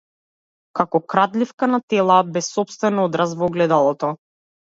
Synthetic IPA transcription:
kakɔkɾad̪lifkanat̪ɛlˠabɛsːɔpst̪vɛnod̪ɾasvɔɡlɛd̪alˠɔt̪ɔ

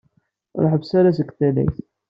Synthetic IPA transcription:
ɾˤɑħəbsæɾæs̬əɡθælæ̰jθ

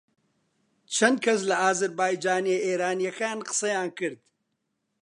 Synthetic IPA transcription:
t͡ʃʰɐnd̪̚kʰɐs̬lɐaːzɐɾbaːjd͡ʒaːnieeːɾaːnijɐkaːnqɨ̥sɐjãːnkɨɾd̪

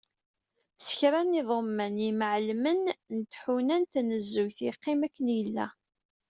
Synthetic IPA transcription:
sə̥çɾænːɪðˤəmːæniməʕlmənnət̪ħunænt̪nəzːujθiqːɪmækːənjəlːæ̰

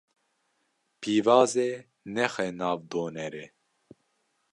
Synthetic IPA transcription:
pʰiːvɑːze | nɛxɛnɑːvd̪oːnɛɾɛ

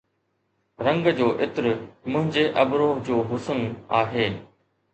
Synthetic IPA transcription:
ɾɐ̃ŋɡd͡ʑoːʔɪt̪ɪɾmʊ̃ɦɪ̃ɲd͡ʑeʔɐbɾoːɦd͡ʑoːɦʊsənaːɦeː

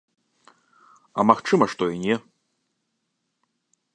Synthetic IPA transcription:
ɐmaxt͡ʂɨmɐʂt̪ɔinʲɛ

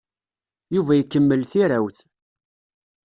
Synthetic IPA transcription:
juvæjəkːəmːəlθiɾawθ

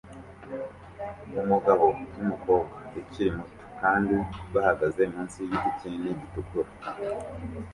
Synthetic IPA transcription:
umuɡaβo̞numuko̞ːbɡaeciɾimuto̥kaːndiβahaɡaze̞muːnsijiɟiciniɟitukuɾa

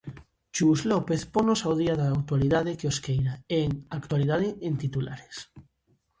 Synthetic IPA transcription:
t͡ʃuzlopeθponosawð̞iaðaːwt̪waliðað̞ekeoskejɾaeŋakt̪waliðað̞eẽnt̪it̪ula̰ɾes

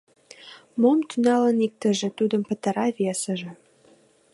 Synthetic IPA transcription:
momt̪ynɑlənik̚t̪ə̆ʒĕt̪ud̪əmpə̆t̪əɾɑvesə̆ʒĕ

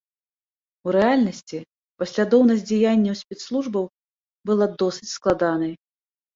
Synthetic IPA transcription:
uɾɛalʲnɐsʲt͡sʲi | pɐsʲlʲad̪ɔwnɐzʲd͡zʲajanʲːɐwsʲpʲɛt̪slˠuʐbɐw | bɨlˠad̪ɔsɨt͡sʲsklˠad̪anɐj

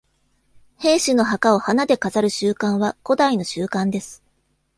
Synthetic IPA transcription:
he̞ːɕɨno̞ɦakao̞hanad̪e̞kazaɾɯ̟ɕɨːkãɰ̃βako̞d̪aino̞ɕɨːkãnd̪e̞sɨ̥

